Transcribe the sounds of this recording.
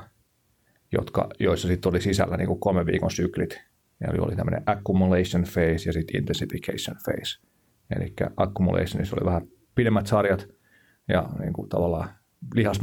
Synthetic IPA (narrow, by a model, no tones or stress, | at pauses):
jo̰t̪kɑ̰joisːɑsit̪ːolisisælːæniːŋkukolmeʋʋḭːkonsyklit̪ | jɑ̰lio̰lit̪æmːø̰̆nḛ̃ʔækːumuleisonfeisjɑsit̪ḭnt̪ensifikeisonfḛis | ḛlikːæ̰ʔɑkːumṵlʔḛisːonisolḭʋæhæ | pidemːæt̪sɑrjɑt̪ | jɑnḭːŋkut̪ɑʋɑlːɑː | lihɑs